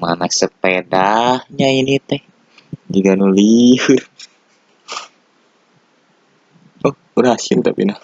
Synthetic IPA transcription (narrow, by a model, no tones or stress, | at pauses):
ma̰nasəpedahɲainit̪ɛh | d͡ʒiɡanulihur | ɔh | uɾasint̪a̰pḭna